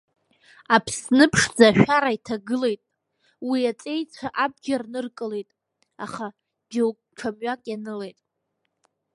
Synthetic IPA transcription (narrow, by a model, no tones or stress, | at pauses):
apʰsnɨpʰʂd͡zaʃᶣaɾaitʰaɡɨle̞jtʼ | wiat͡sʼe̞jt͡sʷʰaʔab̚ɡʲarnɨrkʼɨle̞jtʼ | a̰χa | d͡ʒowkʼʈ͡ʂʰamɥakʼjanɨle̞jtʼ